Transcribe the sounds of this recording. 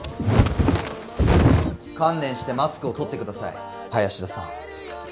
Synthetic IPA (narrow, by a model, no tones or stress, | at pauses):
kãnːẽ̞ɰ̃ɕi̥t̪e̞masɨ̥kɯ̟o̞t̪o̞t̪ːe̞kɯ̟d̪asa̰ḭ | hajaɕid̪asã̰ŋ